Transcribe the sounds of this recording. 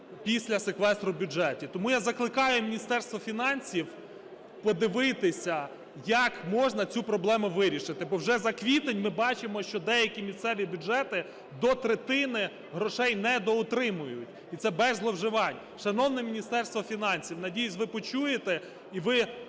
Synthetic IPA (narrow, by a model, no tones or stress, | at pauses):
pʲisʲlʲɐsekʋɛst̪ɾʊbʲʊd͡ʒɛt̪ʲit̪ɔmujazɐklˠɪkɑjʊmʲinʲist̪ɛrst̪ʋɔfʲinɑnʲsʲiw | pɔd̪ɪʋɪt̪ɪsʲɐ | jɐkmɔʒnɐt͡sʲupɾɔblˠɛmʊʋɪɾʲiʃɪt̪ɪbɔwʒɛzɐkʋʲit̪enʲmɪbɑt͡ʃɪmɔʃt͡ʃɔd̪ɛjɐkʲimʲisʲt̪sɛʋʲibʲʊʒɛt̪ɪ | d̪ɔt̪ɾet̪ɪnɪ | ɦɾɔʃɛjnɛd̪ɔʊt̪ɾɪmʊjʊtʲ | it̪sɛbɛzlˠɔwʒɪʋɑnʲ | ʃɐnɔwnɛmʲinʲist̪ɛrst̪ʋɔfʲinɑnʲsʲiwnɐdʲijʊzʲʋɪpɔt͡ʃujet̪ɛ | iʋɪ